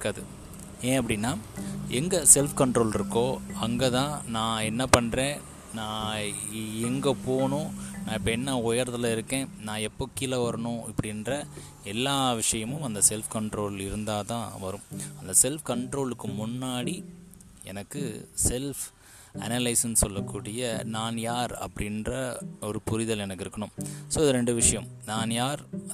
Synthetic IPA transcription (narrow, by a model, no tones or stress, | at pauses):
kːaːðɯ | eːɐpːɐɽɪnːaːɛŋɡɐsɛlfkɐɳʈɾoːlɪɾɯkːõːɐŋɡɐt̪ãːnãːɛnːɐpɐɳɾẽː | nãː | ɛŋɡɐpoːɳʊ̃nãːɪpːɐɛnːɐʊjɐɾɐðɐlɐɪɾɯkːẽːnãːɛpːoːkːɪlɐʋɐɾɐɳʊ̃ɐpːɐɽɪnrɐ | ɛlːaːʋɪʂɐjɐmʊ̃mɐnd̪ɐsɛlfkɐɳʈɾoːlɪɾɯnd̪aːt̪ãːʋɐɾɯ̃mɐnd̪ɐsɛlfkɐɳʈɾoːlɯkːɯmʊnːaːɽi | ɛ̰nɐkːɯsɛlf | ɐ̰nɐlɐɪsɐnsɔlːɐkːuːɽɪjɐnaːnjaːɾɐ̰pːɐɽɪndrɐɔɾɯpʊɾɪðɐlɛnɐkːɪɾɯkːɐɳʊmsoːɪðɯɾɛɳɖɯʋɪʂɐjɐmnaːnjaːɾ